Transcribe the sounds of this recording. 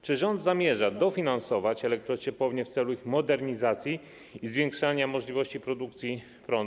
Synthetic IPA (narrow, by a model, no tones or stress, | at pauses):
t͡ʂɘʐɔnd̪zamʲjɛʐad̪ɔfʲinansɔvat͡ɕɛlɛk̚t̪ɾɔt͡ɕɛpɔvɲɛft̪sɛluixmɔd̪ɛɾɲizat̪sʲji | izvʲjɛ̃ŋkʂaɲamɔʐlʲivɔɕt͡ɕipɾɔd̪ukt̪sʲji | pɾɔn